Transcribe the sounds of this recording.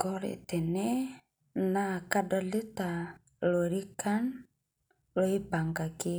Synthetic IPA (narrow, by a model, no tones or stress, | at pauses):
kɔɾɛ̰t̪ɛnɛ | nakadɔlet̪a | loɾikan | loipaŋkaki